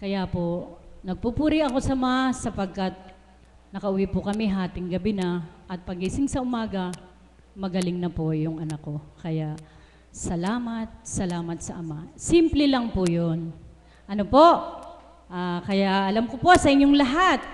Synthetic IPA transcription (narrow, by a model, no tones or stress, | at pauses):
kɐjapo̞nɐɡ̚pupuːɾɪʔɐko̞sɐmasɐpɐɡ̚kɐt̪̚ | nɐkɐʔʊwipʊkɐmɪɦaːt̪ɪŋɡɐbɪnɐʔɐt̪̚pɐɡisɪŋsɐʔʊmaːɡɐ | mɐɡɐlɪŋnɐpojʊŋʔɐnɐkːo̞kɐjaʔ | sɐlaːmɐt̪̚sɐlaːmɐt̪̚sɐʔɐmasimplɛlɐŋpʊjon | ʔɐnopo̞ʔ | ʔakɐjaʔʔɐlamkopo̞sɐʔɪɲjoŋlɐɦat̪̚